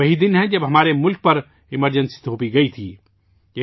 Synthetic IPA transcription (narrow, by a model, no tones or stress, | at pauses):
əɦid̪inɦɛ̃d͡ʒəbɦəmaːɾemʊlk̚pəɾ | iməɾd͡ʒənsi̥d̪ʱoːpiɡəit̪ʰḭ | e